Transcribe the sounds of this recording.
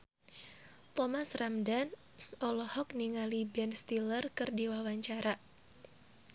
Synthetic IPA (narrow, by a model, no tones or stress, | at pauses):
t̪ɔmasramdan | ʔɔlɔhɔk̚niŋalibɛnst̪ilərkɨrdiwawaɲt͡ʃaɾa